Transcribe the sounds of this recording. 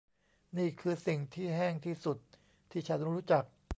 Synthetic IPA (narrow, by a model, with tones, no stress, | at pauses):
niː˥˩kʰɯː˧si˨˩ŋt̪ʰiː˥˩ɦɛː˥˩ŋt̪ʰiː˥˩su˨˩t̪̚ʰː | iː˥˩t͡ɕʰa˦˥nɾuː˦˥t͡ɕa˨˩k̚